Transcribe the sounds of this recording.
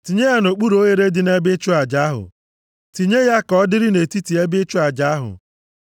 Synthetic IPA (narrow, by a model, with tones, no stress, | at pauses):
ti˨ɲe˦ja˦no˨k͡pu˦ɾo˦ɣe˦ɾe˦dɪ˨ne˦bɪ˦t͡ʃʊ˦a˨d͡ʒa˨˦a˦ɦʊ̰˨ | ti˨ɲe˦ja˦kɔ˦dɪ˦ɾɪ˦ne˨ti˦ti˨e˦bɪ˦t͡ʃʊ˦a˨d͡ʒa˦a˦ɦʊ̰˨